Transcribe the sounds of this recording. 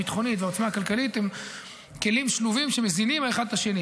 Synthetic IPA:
it̪χo̞nit̪veot͡smaːkalkalit̪em | ke̞limʃluvimʃemezinimaeχad̪laʃe̞ni

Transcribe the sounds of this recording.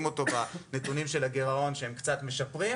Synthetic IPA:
mo̞t̪o̞banet̪unimʃelaɡeʁao̞nʃehemkt͡sat̪me̞ʃapʁim

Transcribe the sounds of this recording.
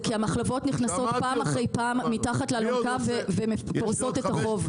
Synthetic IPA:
kiamaχlavo̞tniχnaso̞t̪paːmaχʁe̞jpaːmːitaχatlealomkavvemefoʁso̞t̪e̞t̪aχo̞v

